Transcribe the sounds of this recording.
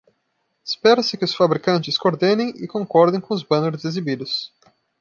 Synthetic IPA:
ɪspɛɾɐsɪkɪʊsfabɾikɐ̃nt͡ʃɪskoɾd̪ẽnẽj̃ɪkõŋkɔɾd̪ẽj̃kõʊzbɐ̃neɾʊzezibid̪ʊs

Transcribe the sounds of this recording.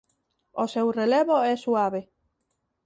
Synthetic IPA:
osewrelɛβoɛsuaβe

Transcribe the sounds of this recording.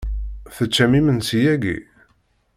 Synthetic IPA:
θət͡ʃːæmimənsijæɡḭ

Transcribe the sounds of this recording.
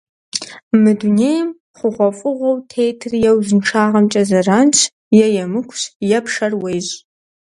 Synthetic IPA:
mɨduneːjm | χʷʊʁʷɔfʼʊʁʷɔwtʰejtʰɨrjɛwzɨnʈ͡ʂʰaːʁɐmt͡ʃʼɐzɐraːnt͡ʃʰ | jɛjɛmɨkʷʰɕjɛpʂɐrwejʑ

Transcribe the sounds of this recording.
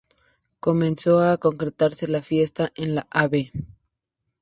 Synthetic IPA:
ko̞mẽ̞nso̞ako̞ŋkɾe̞t̪aɾse̞lafje̞st̪aʔenlaʔaβe

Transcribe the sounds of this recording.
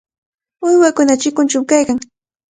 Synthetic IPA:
ʊjwakʊnat͡ʃɪkʊnt͡ʃawkajkaŋ

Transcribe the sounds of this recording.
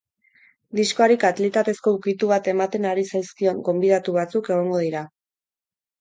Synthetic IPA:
d̪isko̞aɾikat̪lit̪at̪e̞sko̞ukit̪uβ̞at̪e̞mat̪e̞naɾisajskio̞ŋɡo̞mbiðat̪uβ̞at͡suke̞ɣ̞o̞ŋɡo̞ðiɾa

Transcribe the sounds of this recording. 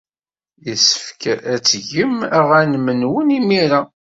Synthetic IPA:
jəsə̥fkææt͡sːʝəmæʁænmənwənimiɾa

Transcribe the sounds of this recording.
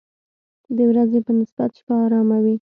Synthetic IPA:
d̪əwɾazepənɪsbat̪ʃpaːɾɑmawi

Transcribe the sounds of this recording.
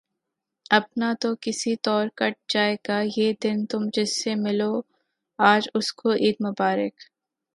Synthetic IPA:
ɐpnat̪okɪsit̪ɔːɾkɐʈ̚d͡ʒaːeːɡajeːd̪ɪnt̪ʊmd͡ʒɪsːemɪloː | aːd͡ʒʊskoʔiːd̪̚mʊbaːɾɪk

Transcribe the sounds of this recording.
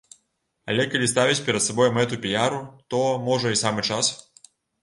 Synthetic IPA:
ɐ̰lʲɛkɐlʲist̪avʲit͡sʲpʲɛɾɐt̪sabɔjmɛt̪upʲijaɾut̪ɔmɔʐɐisamɨt͡ʂas

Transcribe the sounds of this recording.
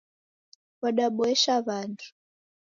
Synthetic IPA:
waɗaɓɔɛʃaβantʰu̥

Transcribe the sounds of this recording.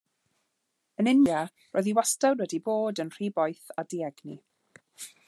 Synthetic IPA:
ənɪna | roːjðiwastawnwɛdiboːdənr̥iːbɔjθadiɛɡni

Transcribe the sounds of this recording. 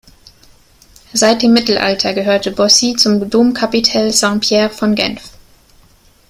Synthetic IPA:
zaɪt̚d̥eːmːɪtl̩ʔa̰ltʰɐɡəɦøːɐtəbɔsit͡sʊmdoːmkʰapitʰɛlzãŋpʰjɛːɐfɔnɡɛ̰nf

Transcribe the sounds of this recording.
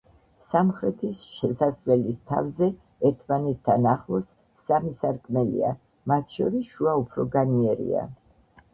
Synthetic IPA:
samχɾɛt̪ʰisʃɛsasvɛlist̪ʰa̰vzɛ | ɛɾt̪ʰmanɛt̪ʰːanaχlˠɔsː | amisaɾkʼmɛlḭa̰ | mat̪ʰʃɔɾisʃuaupʰɾɔɡaniɛɾḭa̰

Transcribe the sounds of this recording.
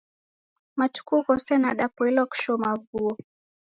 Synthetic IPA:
mat͡ʃu̥kuːkɔsɛnaɗapɔilɔku̥ʃɔmavuɔ

